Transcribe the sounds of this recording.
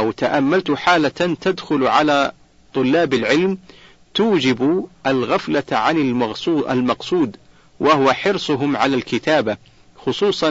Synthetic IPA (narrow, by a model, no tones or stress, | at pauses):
ʔawt̪aʔamːalt̪ʊħaːlat̪ad̪xʊlʕalaː | t̪ˤʊlːaːbalʕɪlm | t̪uːd͡ʒɪbʔalɣaflaʕanɪmːʔa̰lmɑqsˤuːd̪ | wʔaɦʊwaħɪɾsˤʊɦʊmʕalalkɪt̪aːba | xʊsˤuːsˤɑ